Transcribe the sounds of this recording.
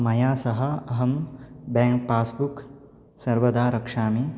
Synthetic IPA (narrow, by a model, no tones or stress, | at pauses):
mɐjaːsɐɦɐ̆ɐɦɐmbɛːŋk̚paːsbuk | sɐɾʋɐd̪aːɾɐkʂaːmi